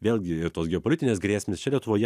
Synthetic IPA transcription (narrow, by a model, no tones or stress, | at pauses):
ʋʲeːlʲˠɡʲɪɪɾt̪oːsɡʲɛoːpolʲɪt̪ʲɪnʲeːsɡɾʲæːsʲmʲeːst͡ʃʲɛlʲiɛt̪ʊʋoːjɛ